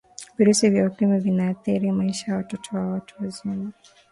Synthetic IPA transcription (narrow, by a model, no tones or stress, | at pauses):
viɾusivjaukimavinaːθiɾimaiʃajawatɔtʰɔwawatʰuwazunu